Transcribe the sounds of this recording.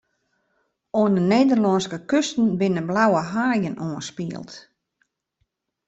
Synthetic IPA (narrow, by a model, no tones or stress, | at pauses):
oənəneːdərlɔnskəkøstn̩bɪnəblawəɦaːjənʔoənspiəlˠt